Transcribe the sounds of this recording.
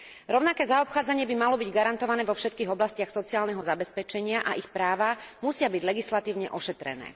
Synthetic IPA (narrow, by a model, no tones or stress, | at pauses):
ɾɔʊnakɛːzaɔpxaːd͡zaɲɪɛbimalɔbiɟɡaɾant̪ɔʋanɛːʋɔfʃɛt̪kiːɣɔblascɪaxsɔt͡siaːlnɛɦɔzabɛspɛt͡ʃɛɲɪaʔaʔixpɾaːʋamusɪabiɟlɛɡislat̪iːʊɲɛʔɔʃɛt̪ɾɛ̰nɛ̰ː